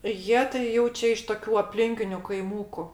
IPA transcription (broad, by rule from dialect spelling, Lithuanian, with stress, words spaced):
ˈjiɛ tɐɪ ˈjɛʊ t͡ʃʲɛ ɪʃ toːˈkʲuː ɐpʲˈlʲɪŋʲkʲɪnʲʊ kɐɪˈmuːkʊ